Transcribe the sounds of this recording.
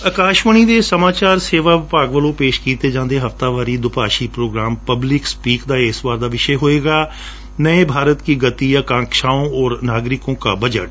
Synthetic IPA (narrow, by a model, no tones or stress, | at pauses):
əkaːʃʋəɳ̃iːd̪eːsəmaːt͡ʃaːɾseːʋaːʋɪpaːɡʋəlõːpeːʃkiːt̪eːd͡ʒãːnd̪eːɦəft̪aːʋaːɾiːd̪ʊpaːʃiːpɾoːɡɾaːmpəblɪkspiːkd̪aːɪsʋaːɾd̪aːʋɪʃɛɦoːeːɡaː | nəẽːbʱaːɾət̪kiːɡət̪iːəkãːŋkʃaːõːɔːɾnaːɡɾɪkõːkaːbəd͡ʒə̰ʈ̚